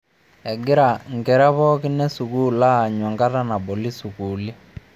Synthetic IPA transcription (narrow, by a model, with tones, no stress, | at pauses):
ɛ˨ɡɪ˦ɾa˨ŋ̩˨kɛ˨ɾa˦βɔ˦ki˦nɛ˦su˨ku˦˨la˦˨ɲwa˨ŋka˦ta˦na˨ɓɔ˨li˦su˨ku˨li˦